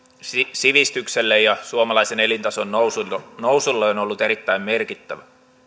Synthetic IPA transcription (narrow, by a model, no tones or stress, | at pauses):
sisiʋist̪ykselːejjɑsuomɑlɑisenelint̪ɑsonːousunowsulːeonolːut̪eɾit̪ːæimmerkit̪ːæʋæ